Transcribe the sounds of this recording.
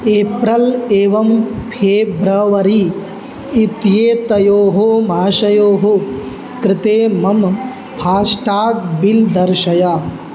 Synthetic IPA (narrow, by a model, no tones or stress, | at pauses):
eːpɾɐleːʋɐmpʰeːbɾɐʋɐɾiː | t̪jeːt̪ɐjoːɦomaːʃɐjoːɦo | kɾɪt̪eːmɐm | pʰaːsʈaːk̚bild̪ɐɾʃɐjɐ